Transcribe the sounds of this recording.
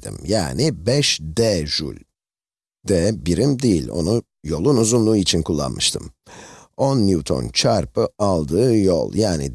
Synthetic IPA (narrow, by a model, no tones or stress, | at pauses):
d̪ḭmja̰ːnibɛʃd̪ɛʒy̰lʲ | d̪ɛbiɾimd̪ejḭlʲo̞̰nu | jo̞lˠunuzunlˠuːit͡ʃʰinkʰulˠːa̰nmɯʃt̪ʰɯ̰m | onːjut̪ʰo̞̰nt͡ʃʰaɾpɯalˠd̪ɯːjo̰lˠjaːnḭ